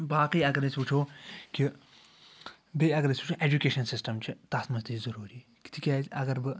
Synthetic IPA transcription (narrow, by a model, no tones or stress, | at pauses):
baːqiːɐɡɐɾesʲuːt͡ʃʰoːki | beɐɡɐɾesʲuːt͡ʃʰoʔeːd͡ʒukeːʃɐnsisʈɐmt͡ʃʰit̪asmɐsd̪izɐɾuːɾiː | ki̥t̪ʰikʲaːɐɡɐɾbɨ